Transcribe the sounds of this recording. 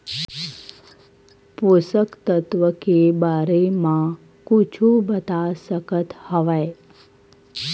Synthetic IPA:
pusəkt̪ət̪ʋəkebaɾemã | kut͡ʃʰũbət̪asəkət̪həʋaj

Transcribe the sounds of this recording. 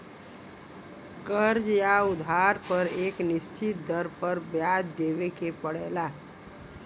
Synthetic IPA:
kəɾd͡ʒjaud̪ʱaɾpəɾeknɪst͡ʃɪt̪̚d̪əɾpəɾbjad̪d̪ebekepəɽɛla

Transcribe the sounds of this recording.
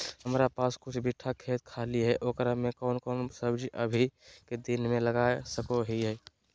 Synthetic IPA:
həmɾapaːskʊt͡ʃʰbʱɪʈʰːakʰeːt̪̚kʰaːliɦɛʔoːkəɾəmẽkɔːnkɔːnsəbd͡ʒiʔəbʱiked̪ɪnmẽləɡaːsəkoɦiɦɛː

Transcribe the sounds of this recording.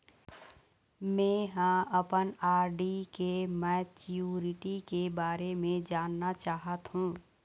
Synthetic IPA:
mɛ̃ːɦə̃əpənaːɾɖikemɛːt͡ʃuːɾɪʈikebaːɾemẽd͡ʒaːnːat͡ʃaːɦət̪ɦũː

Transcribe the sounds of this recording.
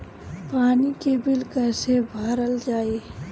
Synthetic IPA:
paːnikebɪlkɛːsebʱəɾəld͡ʒaːe

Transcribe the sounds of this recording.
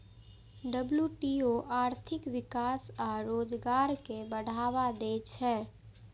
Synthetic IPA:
ɖəbljuʈioʔaːɾt̪ʰɪkʋɪkaːsaɾoːd͡ʒɡaːɾkebəɽ̤ʱaːʋad̪eːt͡ʃʰɛː

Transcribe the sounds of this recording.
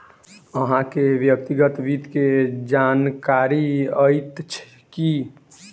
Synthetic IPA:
əɦãkeʋjək̚t̪iɡət̪bit̪ked͡ʒankaɾiəjt̪t͡ʃʰ | ki

